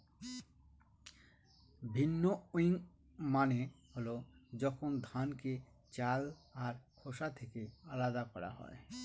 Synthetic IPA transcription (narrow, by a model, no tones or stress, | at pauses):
bʱinːoojiŋ | maneholod͡ʑɔkʰond̪ʱanke | t͡ɕalaɾkʰoʃat̪ʰekealad̪akɔɾa̰ɦɔ̰e